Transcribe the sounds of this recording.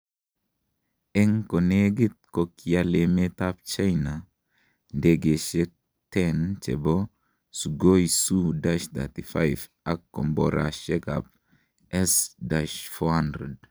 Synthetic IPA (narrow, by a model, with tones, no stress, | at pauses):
e˦ŋko˨ne˦ɡi˦t̪̚ko˨kijale˨me˦t̪a˦p̚t͡ʃa˦jna˨ | de˨ɡe˨ʃe˦k̚ | t̪ɛnt͡ʃḛ˨bo | su˨ɡo˦jsu˦daʃt̪a̰˨t̪i˨fa˦jf | a˦kːo˨mboɾa̰ʃe˦ka̰p̚ | ʔɛ˦sdaʃfo˦handɾe˨d